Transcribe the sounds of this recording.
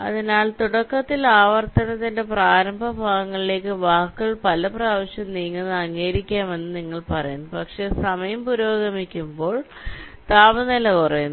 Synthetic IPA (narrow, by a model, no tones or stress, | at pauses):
ɐ̰ðinaːɭt̪uɽɐkːɐt̪ːilaːʋɐrt̪ɐnɐt̪ːinde̞praːɾɐmbʱɐbʱaːɣɐŋːɐɭile̞ːkːɨʋaːkːɐɭpɐlɐpraːʋɐɕjɐmniːŋːɐnːɐŋːeːɾikʲːaːme̞nːɨniŋːɐɭpɐrɐjunːpɐkʂe̞sɐmɐjɐmpuɾoːɡɐmikʲːumbo̞ːɭ | t̪aːbɐnilɐkurɐjun